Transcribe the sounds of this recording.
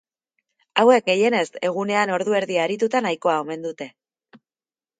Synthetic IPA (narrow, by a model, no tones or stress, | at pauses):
awe̞k̚ɡe̞je̞ne̞st̪e̞ɣ̞une̞ano̞ɾðue̞ɾðiaːɾit̪ut̪anajkoao̞me̞nd̪ut̪e̞